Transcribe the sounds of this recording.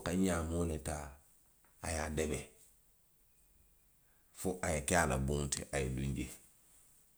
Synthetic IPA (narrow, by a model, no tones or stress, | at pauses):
kaɲamoleta | ajadebe | fuʔajekealabuŋtḭʔajidũɲɟe